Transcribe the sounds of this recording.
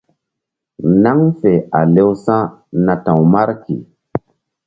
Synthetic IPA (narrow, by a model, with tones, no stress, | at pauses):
na˦ŋfe˨a˨le˦wsã˦nã˨tã˨wma˦ɾkḭ˨